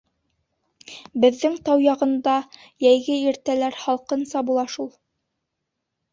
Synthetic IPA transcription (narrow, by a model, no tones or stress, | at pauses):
bɘ̆ðːɘŋt̪ɑwjɑʁɤ̆nd̪ɑ | jæjɡɘiɾt̪ælæɾhɑlˠqɤ̆nsɑbulˠɑʃulˠ